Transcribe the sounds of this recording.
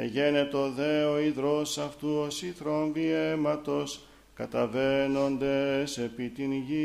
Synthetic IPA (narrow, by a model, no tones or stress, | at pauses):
eʝe̞ne̞t̪oðe̞oiðɾo̞sɐft̪uosiθɾo̞nviemɐt̪o̞s | kɐt̪ɐve̞no̞nd̪e̞se̞pit̪inʝi